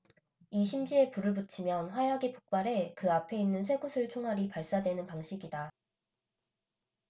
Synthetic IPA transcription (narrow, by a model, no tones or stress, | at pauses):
iɕʰimd͡ʑie̞puɾɯɭbut͡ɕʰimjʌnɸwajaɡipok̚p͈aɾe̞kɯapʰe̞inːɯnsʰwe̞ɡusʰɯɭt͡ɕʰoŋɦaɾipaɭs͈adwe̞nɯnpaŋɕʰiɡida